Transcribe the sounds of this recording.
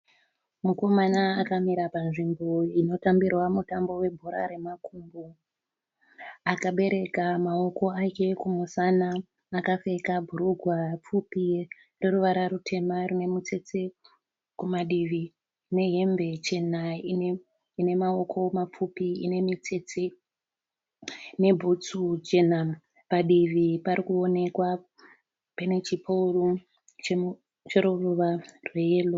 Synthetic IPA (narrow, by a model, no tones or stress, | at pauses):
muko̞manaːkamiɾapanʐimbo̞ino̞tambirwamutambo̞we̞bʱuɾa̰ɾe̞makumbu | akaɓe̞ɾe̞kamao̞ko̞ake̞kumusanaː | kafe̞kabʱuɾuɡʱwap͡fupi | reruʋaɾaɾutʰe̞marune̞mut͡se̞t͡se̞ | kumaɗiʋi | ne̞ɦe̞mbe̞t͡ʃe̞naine | ine̞mao̞kʰo̞map͡fupiḭne̞mit͡se̞t͡se | ne̞bʱut͡sud͡ʒenam | paɗiʋipaɾikuo̞ne̞kwa | penet͡ʃipʰouru | t͡ʃe | t͡ʃeɾuruʋarwejeːlo